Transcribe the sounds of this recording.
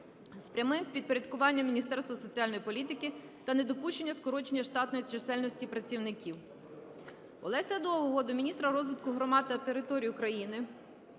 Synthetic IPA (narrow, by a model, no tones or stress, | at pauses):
spɾʲɐmɪmpʲid̪̚pɔɾʲɐd̪̚kʊʋɑnʲːɐmʲːinʲist̪ɛrst̪ʋɐsɔt͡sʲiɑlʲnɔjipɔlʲit̪ɪkɪ | t̪ɐned̪ɔpuʃt͡ʃe̞nʲːɐskɔɾɔt͡ʃenʲːɐʃt̪ɑt̪nɔjit͡ʃesɛlʲnɔsʲtʲipɾɐt͡sʲiwnɪkʲiw | ɔ̰lˠɛsʲɛd̪ɔɔɦɔd̪ʊmʲinʲist̪ɾɐɾɔzʋɪt̪kʊɦɾɔmɑd̪̚t̪ɐt̪eɾɪt̪ɔɾʲijʊkɾɐjinɪ